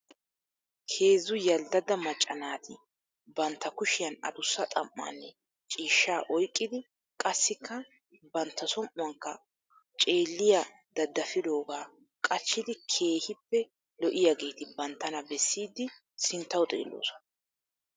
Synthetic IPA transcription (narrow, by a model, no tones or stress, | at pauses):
kʰe̞ːzːʊjɐld̪ɐd̪ɐmɐt͡ʃʼːɐnaːt̪ʰɪ | bɐnt̪ːɐkʊʃɪjɐnɐ̰d̪ʊsːɐt̪ʼɐmːa̰ːnːɛ | t͡ʃʼiːʃːaːʔɔjkʼːɪd̪ɪ | kʼɐsːɪkːɐ | bɐnt̪ːɐsɔmʔʊwɐŋkːɐ | t͡ʃʼe̞ːlːɪja | d̪̥ɐd̪ːɐfɪd̪o̞ːɡaː | kʼɐt͡ʃːɪd̪ɪkʰe̞ːhɪpːɛ | lɔʔɪjaɡe̞ːt̪ɪbɐnt̪ːɐnɐbɛsːiːd̪ːɪ | sɪnt̪ːɐwt̪ʼḛːlːo̰ːsɔnɐ